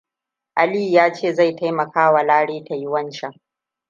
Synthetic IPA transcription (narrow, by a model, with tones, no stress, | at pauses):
ʔa˨liː˦˨jaː˦t͡ʃeː˦˨za˦˨jtʰa˦jmɐ˨kaː˦wa˨laː˦ɽeː˦ta˨jʊ˦wɐ˦nt͡ʃa˦˨ʔ